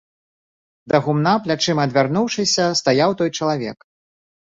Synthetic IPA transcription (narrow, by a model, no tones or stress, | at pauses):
d̪ɐɣumnaplʲat͡ʂɨmɐɐd̪vʲarnuwʂɨsʲɐst̪ajawt̪ɔjt͡ʂɐlˠavʲɛ̰k